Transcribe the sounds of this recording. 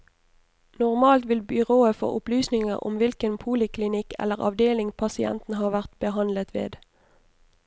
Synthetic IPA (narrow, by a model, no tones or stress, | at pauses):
nʊʁmɑːlt̪ʋɪlbʏʁoːəfo̰ːʔʊplyːsnɪŋə̰ʁʊ̰mʋɪlkənpʰuːlɪkʰlɪnɪkɛ̰lːəʁɑ̰ʋd̪eːlɪŋpʰɑsɪɛ̰nt̪n̩ɦɑːʋæʁt̪b̥əɦɑnlət̪ʋḛːd̪